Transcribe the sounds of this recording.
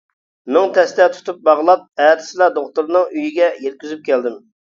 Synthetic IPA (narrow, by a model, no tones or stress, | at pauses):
nɪŋt̪ʰɛst̪ɛt̪ʰu̥t̪ʰup̚bɑʁlˠɑt̪̚ɛːt̪ʰɪ̥sɪlˠɑd̪oχt̪uɾnɨŋyjiɡʲɛjɛt̪̚kʲyzyp̚kʲʰɛld̪ɪm